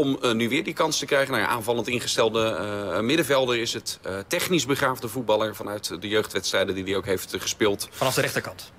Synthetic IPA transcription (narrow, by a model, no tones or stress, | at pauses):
ɔmnyʋɪːɹdikɑnstəkrɛjχənanʔaːnvɑlˠəntɪnχəstɛlˠdəmɪdəvɛlˠdəɹɪsɦəttɛχnizbəχraːvdəvut̚bɑlˠəɹvɑnœɥtdəjøɥχtʋɛtstrɛjdəndidiowkɦejftχəspɪːlˠtfɑnɑfdəɾɛχtəɹkɑnt